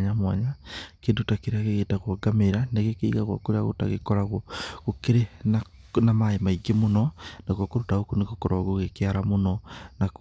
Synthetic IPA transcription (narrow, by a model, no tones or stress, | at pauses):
ɲamwaɲakeːndotakeɾeaɣeɣeːtaɣwɔɡameɾaneɣekeiɣaɣa̰koɾeaɣo̰ta̰ɣekɔɾaɣoɣokeɾenanamaemaiɡemonɔnaɣwakoɾotaokoneɣokɔɾaɣoɣekeaɾamonɔnak